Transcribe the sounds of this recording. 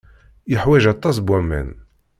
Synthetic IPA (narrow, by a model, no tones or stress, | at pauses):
jəħwæʒɑt̪ˤːɑs̬bwæmːæ̰n